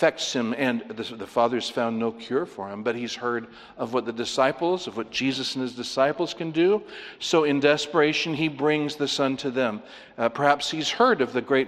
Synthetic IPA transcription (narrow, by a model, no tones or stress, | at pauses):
fɛk̚tshɨ̃mɨ̃nðɨðɨfɑðə˞z̥fãʊ̃nːoʊkʰj̥ʊɹfə˞ɨ̃mbʌt̚hiz̥hɜ˞ɾ | ʌvwʌt̪̚ðɨdɨsaɪpl̩ˠzʌvwʌt̚d̥ʒ̥izɨsn̩ɨzdɨsaɪpl̩ˠz̥kʰɨ̃ndɨsoʊɨ̃ndɛspə˞eɪʃɨ̃nibɹɪ̃ŋzðɨsʌ̃ntʰɨðɨ̃m | pʰə˞hæpshiz̥hɜ˞ɾʌvðɨɡɹeɪt̚